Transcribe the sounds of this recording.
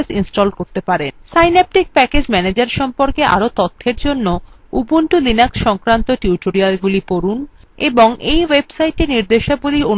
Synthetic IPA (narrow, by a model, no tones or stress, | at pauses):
sinsʈolkoɾt̪epaɾensajnap̚ʈik̚pɛked͡ʑmɛned͡ʑaɾʃɔmpoɾkea̰ɾot̪ot̪ʰːeɾd͡ʑonːo | ubunʈulinaksʃɔŋkɾant̪oʈuwʈoɾialɡulipoɾun | eboŋʔejwebsajʈeniɾd̪eʃapolion